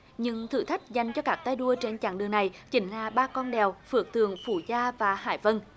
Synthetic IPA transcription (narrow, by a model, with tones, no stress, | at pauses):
ɲɨ˧ŋt̪ʰɨ̰˧˩t̪ʰa˦˥k̟̚za˨˩jŋ̟t͡ɕɔ˧kaː˦˥k̚t̪a˧jɗu˧ət͡ɕe˧nt͡ɕa̰ː˧˩ŋɗɨ˨˩əŋna˨˩jt͡ɕï˨˦ŋ̟laː˧˩ɓaː˧kɔ˧nɗɛ˨˩wfɨ˨˩ək̚t̪ɨ̰˧˨əŋfu˧˩zaː˧vaː˨˩ha̰ː˧˩jvə˧n